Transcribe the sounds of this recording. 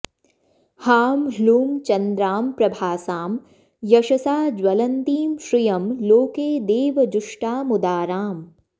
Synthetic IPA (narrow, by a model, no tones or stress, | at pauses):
haːmɦluːmt͡ʃɐnd̪ɾaːmpɾɐbʱaːsaːm | jɐʃɐsaːd͡ʒwɐlɐnt̪iːmʃɾijɐmloːkeːd̪eːʋɐd͡ʒʊʂʈaːmʊd̪aːɾaːm